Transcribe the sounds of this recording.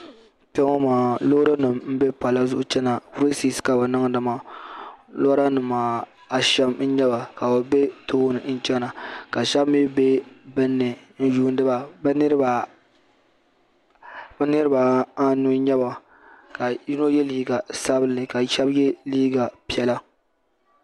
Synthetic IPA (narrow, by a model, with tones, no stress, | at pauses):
te˦ŋo˦maː˨lo˦ɾa˦nɨ˨mm̩˦be˦pa˨la˦zʊ˦ʔʊ˦t͡ʃɛ˦na˨fɾi˦si˦ska˨ba˨nɨ˦ŋdɨ˨maː˨ | lo˦ɾa˦nɨ˨mːaː˨ | a˨ʃɛ˦mn̩˦ɲɛ˦ba˨ka˨ba˨be˦toː˦nɨ˨n̩˦t͡ʃɛ˦na˨ka˨ʃa˦bmɪ˦be˦bɨ˦nːɨ˨n̩˦juː˦n˦dɨ˦ba˨bn˦ɾba˨ | bnɨ˦ɾɨ˦ba˨a˦nu˦ɲɛ˦ba˨ | ka˨ji˦no˦jɛ˦liː˦ɡa˨sa˦bɨ˦lɨ˨ka˨ʃɛ˦bjɛ˦liː˦ɡa˨pi˦ɛ˦la˦